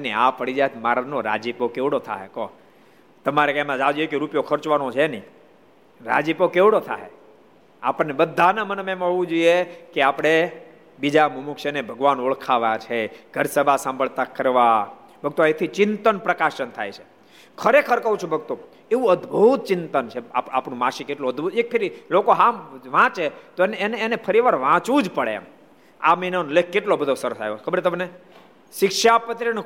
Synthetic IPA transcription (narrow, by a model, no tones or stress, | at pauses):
nea̰pəɽid͡ʒajt̪ʰmaɾanoɾa̰d͡ʒipokeʋɽot̪ʰa̰ɦekɔ | t̪əmaɾekemãd͡ʒad͡ʒojekeɾupjokʰəɾt͡ʃʋanot͡ʃʰenĩ | ɾa̰d͡ʒipokeʋɽot̪ʰa̰ɦe | a̰pəɳnebəd̪ʱːanamənmemãeʋũd͡ʒoijekeapɽ̃e | bid͡ʒamumukt͡ʃənebʱəɡʋanoɭkʰaʋat͡ʃʰeɡ̥ʱəɾsəbʱasãmbʱəɭt̪akəɾʋa | bʱəɡ̚t̪oet̪ʰit͡ʃɪnt̪ənpɾəkaʃənt̪ʰa̰jt͡ʃʰe̥ | kʰəɾekʰəɾkəɦũt͡ʃʰũbʱəɡ̚t̪o | eʋũəd̪bʱut̪̚t͡ʃɪnt̪ənt͡ʃʰea̰papnũmãʃikeʈloəd̪ʱbut̪ek̚fʰeɾilokoɦãʋãt͡ʃet̪oenːneːnepʰəɾiʋaɾʋãt͡ʃʋũd͡ʒpəɭḛm | a̰minonlek̚ʰkːeʈlobəd̪ʱosəɾəsa̰ɦeokʰəbəɾt̪əmne | ʃɪkʃapət̪ɾiñ